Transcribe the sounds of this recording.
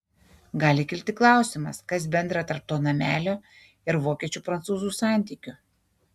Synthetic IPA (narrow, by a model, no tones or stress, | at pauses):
ɡɑːlʲɪkʲɪlʲt̪ʲɪklˠɑˑʊsʲɪmɐskɐs̬bʲɛnd̪ɾɐt̪ɐɾp̚t̪oːnɐmʲæːlʲoː | ɪɾʋoːkʲiɛt͡ʃʲupɾɐnt̪suːzuːsɑˑnʲt̪ʲiːkʲʊ